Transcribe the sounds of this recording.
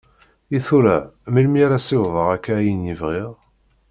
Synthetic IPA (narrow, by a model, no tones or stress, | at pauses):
iθuɾæmilmiaɾasiwðˤəʁækːæjənjivʁiʁ